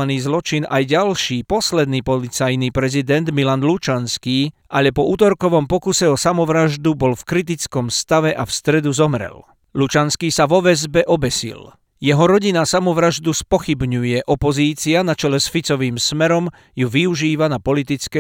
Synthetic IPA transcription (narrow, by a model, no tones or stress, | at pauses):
aniːzlɔt͡ʃinʔajɟalʃiːpɔslɛd̪niːpɔlit͡sajnipɾɛzid̪ɛnd̪milanlut͡ʃanskiːʔaʎɛpɔuːt̪ɔɾkɔʋɔmpɔkusɛɔsamɔʋɾaʒd̪ubɔlfkɾit̪̬it͡skɔmst̪aʋɛʔafst̪ɾɛd̪uzɔmɾɛ̰l | lut͡ʃanskiːsaʋɔʋɛzbɛʔɔbɛsḭl | jɛɦɔɾɔɟinasamɔʋɾaʒd̪uspɔxibɲujɛʔɔpɔziːt͡sianat͡ʃɛlɛsfit͡sɔʋiːmsmɛɾɔm | juʋiuʒiːʋanapɔlit̪̬it͡skɛ